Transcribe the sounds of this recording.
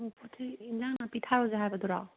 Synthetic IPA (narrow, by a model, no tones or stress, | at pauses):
mupʰutʰɯinzaŋnapitʰaɾɔzaɦajbɐd̪ɔɾa̰